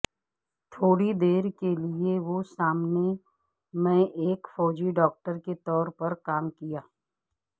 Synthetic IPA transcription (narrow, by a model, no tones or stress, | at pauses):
t̪ʰoːɽid̪eːɾkelieʋosaːmne | mẽʔeːkfɔːd͡ʒiɖɔːk̚ʈəɾket̪ɔːɾpɐɾkaːmkijaː